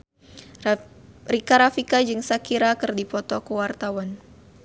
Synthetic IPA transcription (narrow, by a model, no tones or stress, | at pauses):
rikaɾafikad͡ʒɨŋsakiɾakɨrdipɔt̪ɔkəwart̪awan